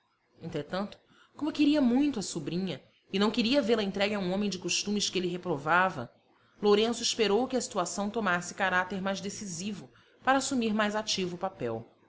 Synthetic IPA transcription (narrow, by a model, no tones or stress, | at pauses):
ẽnt̪ɾet̪ɐ̃nt̪ʊ̥ | kõmʊkɪɾiɐmũj̃t̪ʊɐsubɾĩɲɐ | ɪnɐ̃w̃kɪɾiɐveɾɐẽnt̪ɾɛɡɪɐũõmẽj̃d͡ʒɪkoʃt̪ũmɪʃkɪelɪɦepɾovavɐ̰ | loɾẽsʊɪʃpeɾowkɪɐsi̥t̪uasɐ̃w̃t̪omasɪ̥kaɾat̪eɾmajzd̪esizivʊ | paɾɐaːsumiɾmajzat͡ʃivʊːpapɛ̰w